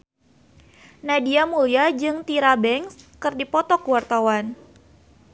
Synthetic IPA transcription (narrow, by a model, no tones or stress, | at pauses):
nadiamuliad͡ʒɨŋt̪iɾabɛŋskɨrdipɔt̪ɔkuwart̪awan